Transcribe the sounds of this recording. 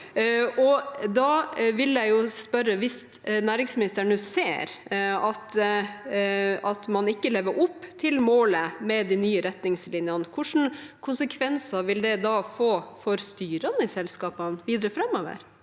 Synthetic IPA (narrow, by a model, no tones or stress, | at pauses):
ɔd̪ɑʋɪljæɪjʊspœɾəʋɪsnæːɾɪŋsmɪnɪst̪əɳəseːɾɑt̪ | ʔɑt̪mɑnɪkːəleːʋəɾʔʊpːt̪ʰɪlmoːləmɛd̪inyːəɾɛt̪nɪŋslɪnjɑnəkʰʊʂn̩kʰʊnsəkʰʋɛnsɑʋɪld̪ɛd̪ɑːfoːfɔɾst̪yːɾɑnəɪsɛlskɑːpɑnʋiːd̪ɾəfɾɛmːoːʋə̰ɾ